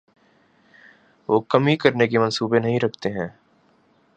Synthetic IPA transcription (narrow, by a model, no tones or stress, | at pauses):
ʋoːkɐmikɐɾnekemɐ̃nsuːbenɐɦĩɾɐkʰt̪eɦɛ̃ː